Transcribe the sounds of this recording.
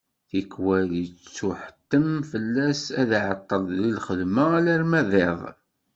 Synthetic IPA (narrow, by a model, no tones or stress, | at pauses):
θikːwælit͡st͡sːuħə̥t̪ːəmfəlːæsæðʕət̪ˤːəlˤðilχəðmæælæɾmæðˤeðˤ